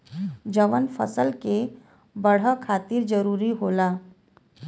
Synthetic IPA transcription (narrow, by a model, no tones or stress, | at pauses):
d͡ʒəʋənfʰə̰səlke | bəɽ̤akʰaːt̪ɪɾd͡ʒəɾuːɾiɦoːlaː